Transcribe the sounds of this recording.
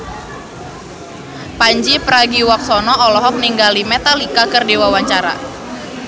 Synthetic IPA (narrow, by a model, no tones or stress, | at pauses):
paɲd͡ʒipəɾaɡiwak̚sɔnɔʔɔlɔɦɔk̚niŋɡalimɛt̪alikakərdewawaɲt͡ʃaɾa̰